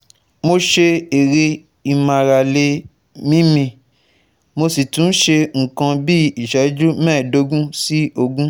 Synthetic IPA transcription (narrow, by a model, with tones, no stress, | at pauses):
mo˧ʃe˧e˨ɾe˧ | i˧mã˨ɾa˨le˧ | mĩ˦mĩ˧ | mo˧si˨tũ˨˦n̩˦ʃe˧ŋ̩˨kã˧bi˦i˨ʃɛ˨˦d͡ʒu˦mɛ̃ː˦˨do˨˦ɡũ˦si˦o˧ɡũ˦